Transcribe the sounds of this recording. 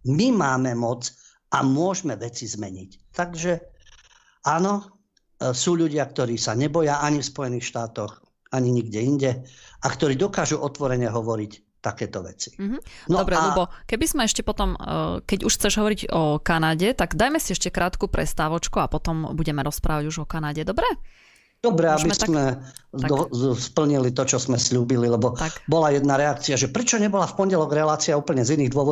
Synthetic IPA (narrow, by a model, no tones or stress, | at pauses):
mimaːmɛmɔt͡s | amʊɔʒmɛʋɛt͡sizmɛɲict̪aɡʒɛ | aːnɔ | suːʎuɟɪak̚t̪ɔɾiːsaɲɛbɔjaʔaɲifspɔjɛniːxʃt̪aːt̪ɔx | aɲiɲiɡɟɛiɲɟɛakt̪ɔɾiːd̪ɔkaːʒuʔɔt̪ʋɔɾɛɲɛɦɔʋɔɾic | t̪akɛːt̪ɔʋɛ̰t͡si̥ɦ̩nɔdɔbɾɛaɛbɔkɛbizmɛɛʃcɛpɔt̪ɔmkɛɟuʃxt͡sɛʒɦɔʋɔɾiɟɔkanaɟɛt̪aɡd̪ajmɛsiɛʃcɛkɾʔaːt̪kuːpɾʔɛ̰st̪aːʋɔt͡ʃkuapɔt̪ɔmbuɟɛmɛɾɔspɾʔa̰ːʋaɟuʒɔkanaɟɛd̪ɔbɾɛ | d̪̥ɔbɾɛabismɛaɔspl̩ɲilit̪ɔt͡ʃɔzmɛslʎuːbililɛbɔakbɔlajɛd̪naɾɛak̚t͡siaʒɛpɾɛt͡ʃɔɲɛbɔlafpɔɲɟɛlɔɡɾɛlaːt͡siauːpl̩ɲɛziniːɣd̪ʊɔʋɔ